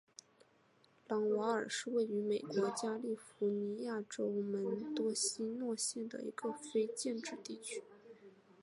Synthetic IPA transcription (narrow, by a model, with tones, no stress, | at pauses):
lɑ˧˥ŋwa˧˥ə˞˨˩ʂɻ̩˥˧we˥˩ɪy˧˥me˨˩ɪkwɔ˧˥t͡ɕja˥li˥˩fu˧˥ni˧˥ja˥˩ʈ͡ʂo˥ʊmə˧˥nt̪wɔ˥ɕi˥nwɔ˥˧ɕjɛ˥˩nd̪ə̰˩ḭ˧˥ɡə˧fe˥ɪt͡ɕjɛ˥˧nʈ͡ʂɻ̩˥˧t̪i˥˩t͡ɕʰy̥˥